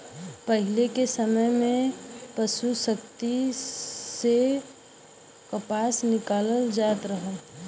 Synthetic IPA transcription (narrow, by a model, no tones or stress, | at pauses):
pəɦɪlekesəməjmẽpəʃusəkt̪i | se | kəpaːsnɪkaːləld͡ʒaːt̪ɾəɦəl